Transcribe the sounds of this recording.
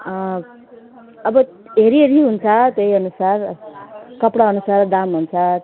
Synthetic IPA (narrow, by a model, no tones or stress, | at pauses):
ʌbʌ | ɦeɾieɾiɦunt͡sʰʌt̪ejʌnusar | kʌpɽaʌnusard̪amɦunt͡sʰʌ